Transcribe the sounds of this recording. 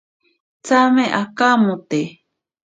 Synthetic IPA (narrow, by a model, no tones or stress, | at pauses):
t͡sameʔakamũt̪e